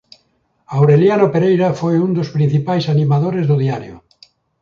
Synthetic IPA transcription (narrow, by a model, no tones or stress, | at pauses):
awɾeljanopeɾejɾafojund̪ospɾĩn̟θipajsanĩmaðoɾezðoðiaɾjo̰